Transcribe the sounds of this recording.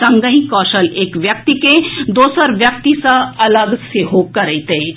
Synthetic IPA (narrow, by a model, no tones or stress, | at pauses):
sɐ̃ŋɡəɦĩkɔːʃəleːkʋjɐk̚t̪iked̪oːsəɾʋjɐk̚t̪isəɐləɡseɦokɐɾəit̪e